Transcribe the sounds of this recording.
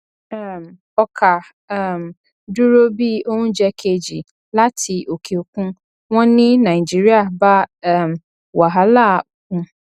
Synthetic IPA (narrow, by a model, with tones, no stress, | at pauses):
ɛ˨m | ɔ˨kʰa˨˦˨ | m˨ | du˦ɾo˦bi˦o˦ũ˦d͡ʒɛ˦kʰe˨d͡ʒi˨ | la˦tʰi˨ʔo˨kʰe˨o˨kũ˦ | wɔ̃˦nĩ˦nã˨d͡ʒi˦ɾi˦a˨ba˦˨m˨ | wa˨ɦa˨˦la˦˨kũ˦